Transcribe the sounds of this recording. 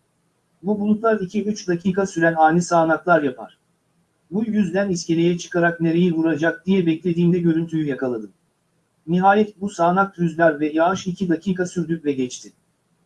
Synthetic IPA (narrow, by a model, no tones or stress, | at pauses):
bubulˠuklˠaɾicʰiyt͡ʃd̪acʰiːkasyɾænaːnʲisaːnaklˠaɾjapʰa̰ɾ̥ | bujyzd̪ænisce̞lʲejɛt͡ʃʰɯ̥kʰaɾakne̞ɾe̞jivuɾad͡ʒak̚d̪ijɛbɛclʲe̞d̪iːmd̪ɛɟø̞ɾynt̪ʰyjyjakalˠad̪ɯm | niɦaːjɛt̪̚busaːnak̚t̪ʰɾyzlʲæɾvɛjaɯʃicʰid̪acʰiːkasyɾd̪ykvɛɟɛt͡ʃt̪ʰɪ